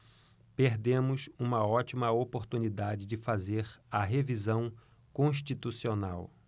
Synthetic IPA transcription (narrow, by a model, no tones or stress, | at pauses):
peɾd̪ẽmʊsũmɐɔt͡ʃimɐopoɾt̪unid̪ad͡ʒɪd͡ʒɪfazeɾɐɦevizɐ̃w̃ | kõʃ̬t͡ʃit̪usionaw